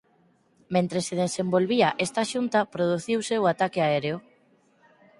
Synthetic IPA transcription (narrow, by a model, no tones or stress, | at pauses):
mẽnt̪ɾeseð̞esembolβiaʔest̪aʃunt̪apɾoð̞uθiwseoat̪akeaeɾeo